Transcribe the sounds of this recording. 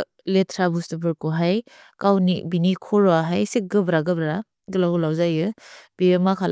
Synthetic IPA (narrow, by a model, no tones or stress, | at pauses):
letʰɾabustɯbɯɾkɔɦaj | kawnḭbinikʰɔɾɔaɦajsik̚ɡɯbɾaɡɯbɾa | ɡɯlawlawzajɯb̥iemakʰal